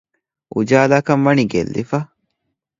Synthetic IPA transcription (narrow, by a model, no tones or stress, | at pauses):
ʔʊd͡ʒaːlɐkɐmmɐniɡɛ̰lːɪ̰fɐ